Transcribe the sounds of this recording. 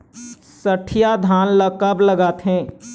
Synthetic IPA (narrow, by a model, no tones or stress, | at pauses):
səʈʰijad̪ʱaːnləkɐbləɡaːt̪ɦɛ̃ː